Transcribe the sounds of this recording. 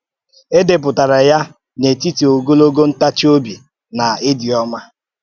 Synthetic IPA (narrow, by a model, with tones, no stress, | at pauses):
e˦de˨p̬ʊ˨ta˨ɾa˨ja˦ | ne˨ti˦ti˨o˨ɡo˦lo˦ɡo˦n̩˦ta˦t͡ʃi˦o˦bi˨ | na˨ɪ˦di˨ɔ˦ma˦